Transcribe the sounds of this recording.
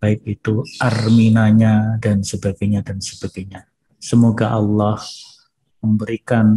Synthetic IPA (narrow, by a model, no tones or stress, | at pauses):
b̥aɪk̚it̪uʔarminaɲadansəbaɡajɲadansəb̥aɡajɲa | səmoɡaʔɑlːɑh | məmbəɾikan